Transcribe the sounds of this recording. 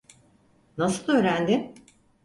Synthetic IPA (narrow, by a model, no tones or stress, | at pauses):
nasɯlˠø̞ːɾænd̪ɪm